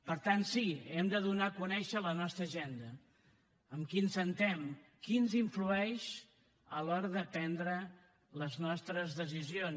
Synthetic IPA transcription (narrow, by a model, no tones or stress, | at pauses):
pəɾt̪ansiɛmd̪əðunakunɛʃələnɔst̪ɾəʒend̪ə | əmkinsənt̪ɛmkinziɱfluɛʃ | əlɔɾəðəpɛnd̪ɾə | ləznɔst̪ɾəzðəs̬izion